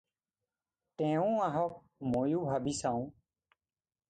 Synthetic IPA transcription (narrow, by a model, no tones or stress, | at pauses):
t̪ẽːũːaɦoːk̚ | moːjuːbʱaːbiːsãːũː